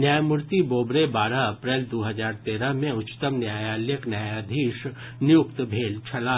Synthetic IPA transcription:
njaːjmʊɾt̪iboːbɾebaːɾaɐpɾeːld̪oːɦɐzaːɾt̪eːɾəɦmẽʊt͡ʃt̪əmnjaːjaːljəknjaːjaːd̪ʱiːʃ | njʊkt̪bʱeːlt͡ʃʰɐlaː

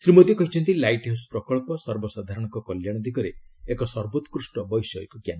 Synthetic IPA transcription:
sɾimot̪ikɔɦit͡ʃʰɔnt̪ilajʈewspɾɔkɔɭpɔsɔɾbɔsad̪ʱaɾɔɽ̃ɔŋkɔkɔljaɽ̃ɔd̪ʱikɔɾeːkɔsɔɾbot̪kɾusʈɔbɔjsɔḛkukjan

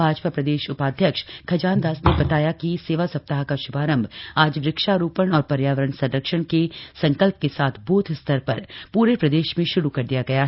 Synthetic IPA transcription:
aːd͡ʒpapɾɐd̪eːʃʊpaːd̪ʱjəkʃkʰɐd͡ʒaːnd̪aːsnebɐt̪aːjakiseːʋasɐp̚t̪aɦkaʃʊbʱaːɾə̃mbʱaːd͡ʒʋɾɪkʃaɾuːpəɽ̃ɔːɾpɐɾjaːʋəɾəɳsɐdəkʃəɽ̃kesɐ̃ŋkəlp̚kesaːt̪ʰbuːt̪ʰst̪ʰəɾpɐɾpuːɾepɾɐd̪eːʃmẽʃʊɾukɐɾd̪ijaɡɐja

